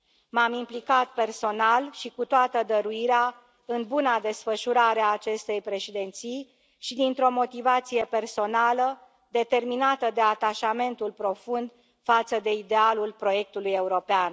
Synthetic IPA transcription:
mamimplikat̪̚pe̞rso̞nalʃikut̪oat̪əd̪əɾuiɾea | ɨnbunad̪e̞sfəʃuɾaɾeaːt͡ʃe̞st̪e̞jpɾe̞ʃid̪e̞nt̪sij | ʃid̪int̪ɾo̞mo̞t̪ivat̪sije̞pe̞rso̞nalə | d̪e̞t̪e̞rminat̪əd̪e̞at̪aʃame̞nt̪ulpɾo̞fund̪ | fat̪səd̪e̞id̪e̞alulpɾo̞je̞k̚t̪uluje̞uɾo̞pean

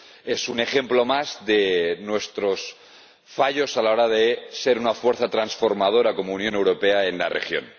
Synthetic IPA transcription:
e̞sune̞xe̞mplo̞mazðenwe̞st̪ɾo̞s | faʎo̞salaoɾaðese̞ɾunafwe̞ɾθat̪ɾansfo̞ɾmað̞o̞ɾako̞mounjo̞ne̞wɾo̞pe̞aenla̰rʔḛxjo̞̰n

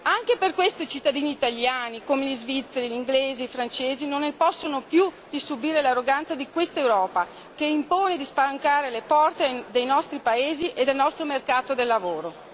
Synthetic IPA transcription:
aŋkeperkwest̪oit͡ʃit̪ːad̪iːniːt̪aljaːnikoːmelizvit̪sːeɾiliŋɡleːzifɾant͡ʃeːzinonːepɔsːonopju | d̪̥isubiːɾelarːoɡant̪sad̪ikwest̪aewɾɔːpa | keimpoːned̪ispalaŋkaːɾelepɔrt̪ed̪ejnɔst̪ɾipaeːziʔed̪ːelnɔst̪ɾomerkaːt̪od̪elːavoːɾo

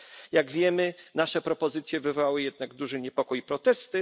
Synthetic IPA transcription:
jaɡvʲjɛmɘnaʂɛpɾɔpɔzɘt̪sʲjɛvɘvɔwawɘjɛd̪naɡd̪uʐɛɲɛpɔkujipɾɔt̪ɛst̪ɘ

